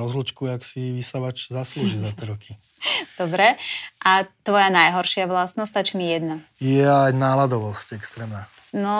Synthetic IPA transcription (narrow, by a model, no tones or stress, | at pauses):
ɾɔzlut͡ʃkuaksiʋisaʋat͡ʃzasluːʒizat̪ɛɾɔkʰi | d̪̥ɔbɾɛʔat̪ʋɔjanajɦɔɾʃɪaʋlasnɔst̪at͡ʃimijɛd̪najɛajnaːlad̪ɔʋɔscɛkst̪ɾɛːmnaː | nɔ